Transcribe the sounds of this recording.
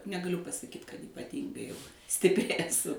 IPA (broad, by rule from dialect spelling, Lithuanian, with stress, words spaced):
nʲɛɡɐˈlʲʊ pɐsɐˈkʲiːt kɐt iːpɐˈtʲiːŋɡɐɪ jɛʊ sʲtʲɪpʲˈrʲɪ ɛˈsʊ